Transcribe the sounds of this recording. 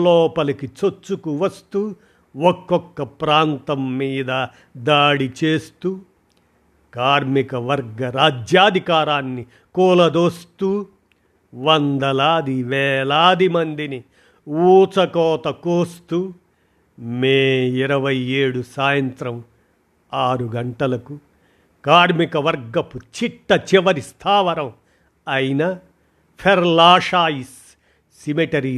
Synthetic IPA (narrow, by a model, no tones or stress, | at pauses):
lɔːpɐlɐkit͡ʃot͡ʃːukuʋɐst̪uː | ɔkːɔkːɐpɾaːnt̪ɐmːiːd̪ɐ | d̪aːɽit͡ʃeːst̪uː | kaːɾmikɐʋɐɾɡɐɾaːd͡ʒjaːd̪ʱikaːɾaːnːi | kɔːlɐd̪oːst̪uː | ʋɐnd̪ɐlaːd̪iʋɛːlaːd̪imɐnd̪ini | uːt͡sɐkɔːt̪ɐkoːst̪uː | meːiɾɐʋɐjeːɽusaːjɐnt̪ɾɐm | aːɾuɡɐɳʈɐlɐku | kaːɾmikɐʋɐɾɡɐput͡ʃiʈːɐt͡ʃiʋɐɾist̪ʰaːʋɐɾɐm | ɐjinɐ | pʰɐɾlaːʂaːisː | imiʈɐɾiː